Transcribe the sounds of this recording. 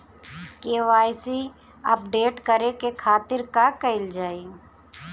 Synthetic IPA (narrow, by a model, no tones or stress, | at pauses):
keːʋaːjsi | ɐ̰p̚ɖeːʈkəɾekekʰaːt̪ɪɾkakəɪld͡ʒaːi